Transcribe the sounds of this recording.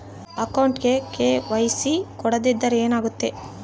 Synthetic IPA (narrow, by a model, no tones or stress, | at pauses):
ɐkɐwɳʈɡe̞keʋɐjsikɔɽɐd̪id̪ːɐɾeːnaːɡut̪ːe̞